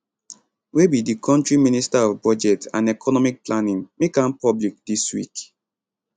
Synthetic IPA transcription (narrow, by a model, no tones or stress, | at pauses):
webidikʰɔ̃ntɹiministaɔvbɹɔd͡ʒɛtã̰nɛkʰɔnɔmik̚planĩnmekãmpɔblik̚d̥iswḭk